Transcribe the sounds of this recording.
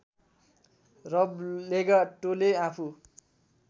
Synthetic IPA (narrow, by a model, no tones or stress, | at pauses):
rʌbleɡaʈoleapʰu